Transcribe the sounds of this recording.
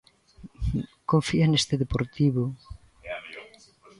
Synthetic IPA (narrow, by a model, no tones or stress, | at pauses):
koɱfianest̪eðepoɾt̪iβo